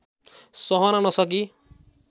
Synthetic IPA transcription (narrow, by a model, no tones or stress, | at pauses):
sʌɦʌnanʌsʌk̬i